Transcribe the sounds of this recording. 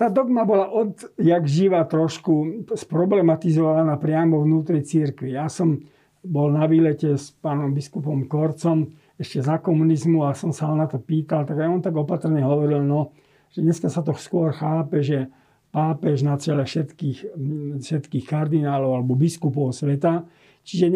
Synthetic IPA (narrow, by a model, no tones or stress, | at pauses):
t̪aːd̪ɔɡmabɔlaʔɔd̪jaɡʒiʋat̪ɾɔʃkuspɾɔblɛmat̪izɔʋaʋanapɾɪamɔʋnuːt̪ɾit͡siɾkʋijasɔm | bɔlnaʋiːlɛcɛspaːnɔmbiskupɔmkɔɾt͡sɔm | ɛʃcɛzakɔmunizmuasɔmsanat̪ɔpiːt̪alt̪aɡajɔnt̪aɡɔpat̪r̩ɲɛɦɔʋɔɾilnɔ | ʒɛɲɛskasat̪ɔskʊɔɾxaːpɛʒɛ | paːpɛʒnat͡sɛlɛʃɛt̪kiːxfʃɛt̪kiːxkaɾd̪inaːlɔʊalɛbɔbiskupɔʊsʋɛt̪a | t͡ʃiʒɛ